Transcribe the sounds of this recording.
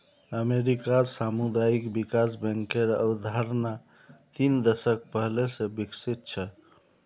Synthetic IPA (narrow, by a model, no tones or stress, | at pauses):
əmeɾikasamud̪ajikbikasbɛ̃ŋkeɾə̰bd̪ʱaɾna | t̪ind̪əsək̚pəɦlesẽbiksit̪̚t͡ʃʰə